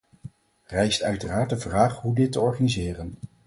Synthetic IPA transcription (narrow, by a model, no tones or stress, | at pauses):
rɛjstœɥtəraːɹt̚dəvraːχɦudɪtəɔɹχanizɪːrən